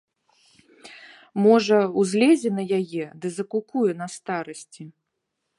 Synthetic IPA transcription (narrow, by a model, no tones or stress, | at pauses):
mɔʐɐuzʲlʲɛzʲɛnɐjajɛd̪ɨzɐkukujɛn̪ɐst̪aɾɐsʲt͡sʲi